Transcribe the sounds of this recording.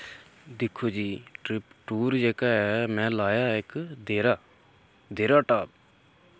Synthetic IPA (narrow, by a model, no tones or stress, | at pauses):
d̪ɪkʰːoːd͡ʒiːʈɾɪpʈuːɾd͡ʒeːkaːɛːmɛ̃ːlaːjaːɪkd̪eːɾaː | d̪eːɾaːʈaːp̚